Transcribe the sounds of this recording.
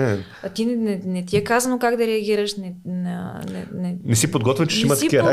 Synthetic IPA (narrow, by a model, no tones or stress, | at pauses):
ɛ | at̪innɛnɛt̪iɛkazɐnokaɡd̪ɐɾɛɐɡ̟iɾəʃnɛnɐnɛ̰nɛmisipod̪̚ɡɔt̪vɛt͡ʃɛ̥ʃimɐt̪ɐikiɐɾa